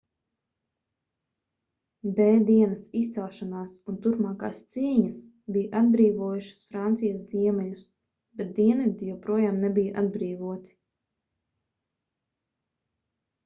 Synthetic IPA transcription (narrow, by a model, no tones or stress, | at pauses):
d̪ɛːd̪iɛnɐsist̪sɛlˠʃanaːsunt̪uɾpmaːka̰ːst̪siːɲɐs | bijaʔad̪̚bɾiːvuɔjuʃɐ̥sfɾant̪sijɐsziɛmɛʎus | bɛt̪̚d̪iɛnvid̪ʲijɛwpɾuɔjaːmnɛbijʔad̪bɾiːvuɔt̪i̥